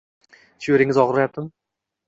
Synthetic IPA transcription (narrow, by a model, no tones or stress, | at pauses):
ʃeɾɪŋɪzɒʁɾajap̚t̪ɪm